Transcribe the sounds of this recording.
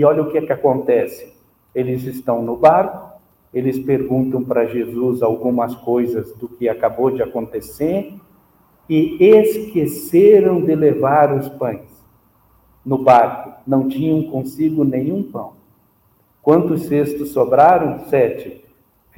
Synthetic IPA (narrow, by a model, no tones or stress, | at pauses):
ɔʎɐʊkɪɛkɪakõnt̪ɛsɪ̥ | elɪzɪst̪ɐ̃w̃nʊbaɾkʊ̥ | elɪspeɾɡũnt̪ɐ̃w̃pɾɐʒezuzawɡũmɐskojzɐzd̪ʊkɪakabod͡ʒɪakõnt̪eseɾ | ɪeskeseɾɐ̃w̃d̪ɪlevaɾʊspɐ̃j̃s | nʊbaɾkʊnɐ̃w̃t͡ʃĩɲɐ̃w̃kõsiɡʊnẽɲ̃ũpɐ̃w̃ | kwɐ̃nt̪ʊsːest̪ʊsːobɾaɾɐ̃w̃sɛt͡ʃɪ